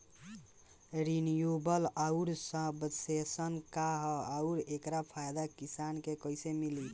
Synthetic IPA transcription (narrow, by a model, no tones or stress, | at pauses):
ɾinijubəlauɾsə̃ɦbəsesənkaɦauɾekɾapʰajd̪akisankekəjsemili